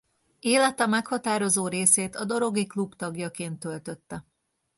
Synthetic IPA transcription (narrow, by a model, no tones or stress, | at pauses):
eːlɛt̪ɛmɛkhɒt̪aːɾo̞zoːɾeːseːt̪ɒd̪o̞ɾo̞ɡiklupt̪ɒɡjɒkeːnt̪ːø̞lt̪ø̞t̪ːɛ